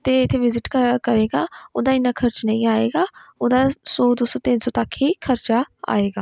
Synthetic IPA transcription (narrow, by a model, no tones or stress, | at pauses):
t̪eːɪt̪ʰːeːʋɪzɪʈkkəɾeːɡaːoːd̪aːɪnãːkʰəɾt͡ʃnəĩːaːḛːɡaːoːd̪aːsoːd̪oːsoːt̪ɪnsɔːt̪əkʰɦiːkʰəɾt͡ʃaːa̰ːeːɡaː